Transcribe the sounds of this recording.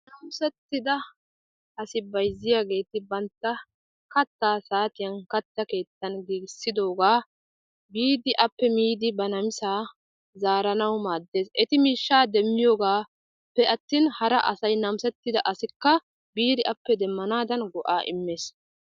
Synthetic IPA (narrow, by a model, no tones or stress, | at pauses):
nɐmsɛt̪ːɪd̪ɐ | ʔɐsɪbɐjzːɪjaːɡe̞ːt̪ɪbɐnt̪ːɐ | kɐt̪ːaːsaːt̪ɪjɐnkɐt̪ːɐke̞ːt̪ːɐnɡiːɡɪsːɪd̪o̞ːɡaː | biːd̪ɪʔɐpːɛmiːd̪ɪbɐnɐmɪsaː | zaːɾɐnɐwmaːd̪ːe̞ːsʔɛt̪ɪmiːʃːaːd̪ɛmːɪjoːɡaː | pːɛɐt̪ːiːnhɐɾɐʔɐ̰sɐjnɐmsɛt̪ːɪd̪ɐʔɐsɪkːɐ | biːd̪ɪʔɐpːɛd̪ɛmːɐnaːd̪ɐnɡɔʔaːʔɪ̰mːeːs